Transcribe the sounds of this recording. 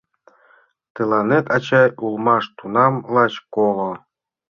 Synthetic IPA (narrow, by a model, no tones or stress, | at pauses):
t̪ɨlˠɑnet̪ɑt͡ɕɑjulˠmɑʂt̪unɑmlˠɑt͡ɕkolˠo